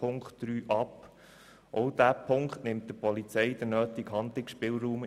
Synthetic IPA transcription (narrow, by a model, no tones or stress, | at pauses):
ʊŋkχtd̥ɾyːʔɑp | ʔɔʊd̥̪æpʰʊŋkχtnɪmt̚d̥̪əpʰɔlit͡sɛɪd̥̪ənœːt̪iɡɦɑnd̪lɪksʃpɪːlɾuːm